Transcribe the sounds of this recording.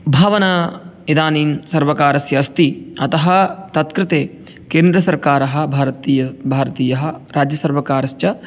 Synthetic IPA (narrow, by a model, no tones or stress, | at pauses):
bʱaːʋɐnɐ | id̪aːniːnsɐɾʋɐkaːɾɐsjɐːst̪iɐt̪ɐɦɐt̪ɐt̪kɾɪt̪eː | keːnd̪ɾɐsɐɾkaːɾɐɦɐ̆bʱaːɾɐt̪iːjɐbʱaːɾɐt̪iːjɐɦɐ̆ɾaːd͡ʒjɐsɐɾʋɐkaːɾɐst͡ʃɐ